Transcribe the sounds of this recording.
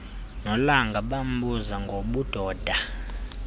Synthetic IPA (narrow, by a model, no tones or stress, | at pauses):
nɔlaŋɡʱaɓam̩buzaŋɡʱoɓud̥ʱɔːd̥ʱa